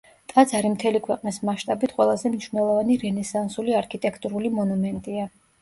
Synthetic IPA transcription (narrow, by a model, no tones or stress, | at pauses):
t̪ʼad̪zaɾimt̪ʰɛlikʰwɛqʼnismaʃt̪ʼabit̪ʰqʼwɛlˠazɛmniʃvnɛlˠɔvaniɾɛnɛsansuliaɾkʰit̪ʼɛkʰt̪ʼuɾulimɔnumɛnt̪ʼia